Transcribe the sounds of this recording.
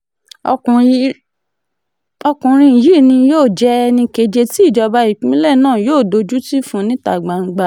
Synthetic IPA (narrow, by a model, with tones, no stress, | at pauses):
ɔ̃˧˨ | ɔ˧kũ˨ɾ̃ĩ˧˨ji˦˨nĩ˧joː˦˨d͡ʒɛ˦˧nĩ˧ke˧d͡ʒe˧ti˦i˦˨d͡ʒɔ˧ba˧˦i˨k͡pĩ˨˦lɛ˦˨nãː˦˨joː˦˨do˨˧d͡ʒu˦ti˦fũ˦nĩ˦ta˨ɡ͡bã˨ŋ̩˧˦ɡ͡ba˧